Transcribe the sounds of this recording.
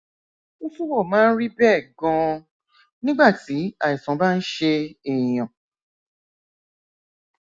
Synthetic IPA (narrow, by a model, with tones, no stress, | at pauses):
o˧fu˦wɔ˦˨mãː˦n̩˦ɾi˦bɛ˦˨ɡɔ̃˧ | nĩ˦ɡ͡ba˦˨ti˨˦a˨i˨sɔ̃˨˦ba˦˧n̩˦ʃe˧ɛ˨j̃ã˨